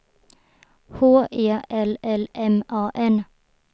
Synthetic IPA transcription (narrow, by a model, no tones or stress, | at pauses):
hoːʔeːʔɛlɛlɛmʔɑːʔɛn